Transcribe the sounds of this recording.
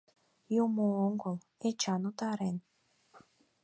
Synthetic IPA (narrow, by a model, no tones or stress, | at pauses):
jumooŋɡolˠ | et͡ʃanut̪ɑɾen